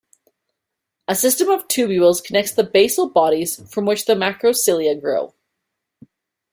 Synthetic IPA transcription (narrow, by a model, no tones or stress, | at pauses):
ɨsɪstɨ̃mʌv̥tʰʉbjʉl̩ˠz̥kʰənɛk̚tsðɨbeɪsl̩ˠbɑɾiz̥fɹʌ̃mwɨt͡ʃðɨmaɪkɹoʊsɪlˠiɨɡɹoʊ